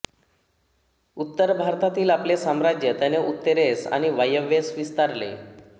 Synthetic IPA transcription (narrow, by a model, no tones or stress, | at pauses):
ut̪ːəɾbʱaɾt̪at̪iːlaplesamɾad͡ʑjət̪janeʔut̪ːeɾesa̰ñiʋajəʋesʋist̪aɾlḛ